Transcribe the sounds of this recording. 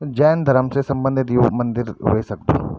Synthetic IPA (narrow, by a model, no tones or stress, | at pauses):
d͡ʒɛːnd̪ʱɐɾəmsesɐ̃mbə̃nd̪ʱɪt̪jomɐ̃nd̪ɪɾɦo̰esɐk̚d̪ṵ̃ː